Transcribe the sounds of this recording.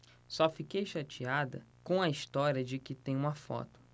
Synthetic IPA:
sɔfikejʃat͡ʃiad̪ɐ̰kõɐist̪ɔɾiɐd͡ʒɪkɪt̪ẽj̃ũmɐfɔ̰t̪ʊ̥

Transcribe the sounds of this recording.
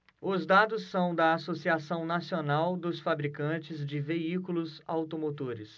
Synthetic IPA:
ʊzd̪ad̪ʊsːɐ̃w̃d̪ɐasosiasɐ̃w̃nasionawd̪ʊsfabɾikɐ̃t͡ʃɪzd͡ʒɪveikulʊza̰wt̪omot̪oɾɪ̰s

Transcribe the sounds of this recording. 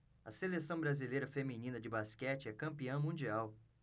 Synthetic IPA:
ɐ̰selesɐ̃w̃bɾazilejɾɐfemĩnĩnɐd͡ʒɪbaskɛt͡ʃɪɛkɐ̃mpiɐ̃w̃mũd͡ʒiaw

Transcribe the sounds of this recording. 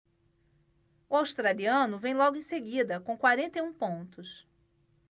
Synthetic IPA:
ʊawʃt̪ɾaliɐ̃nʊvẽj̃lɔɡʊẽj̃seɡid̪ɐkõkwaɾẽnt̪ejũpõnt̪ʊs

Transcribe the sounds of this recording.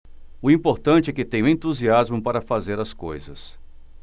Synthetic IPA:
ʊĩpoɾt̪ɐ̃nt͡ʃɪɛkɪt̪ẽj̃ũẽnt̪uziazmʊpaɾɐfazeɾɐskojzɐ̰s

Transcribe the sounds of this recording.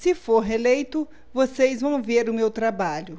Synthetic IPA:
sɪfoɾɦelejt̪ʊ | vosejzvɐ̃w̃veɾʊmewt̪ɾabaʎʊ

